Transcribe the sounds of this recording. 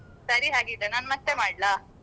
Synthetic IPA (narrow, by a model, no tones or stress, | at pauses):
sɐɾiɦaːɡid̪enaːnmɐt̪ːemaːɖlaː